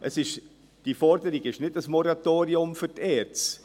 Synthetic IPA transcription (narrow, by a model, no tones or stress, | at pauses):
ʔəsɪʃ | d̥ifɔɾdəɾiɡɪʃnɪdəsmɔɾatoːɾiʊmfyɾtɛːɾt͡s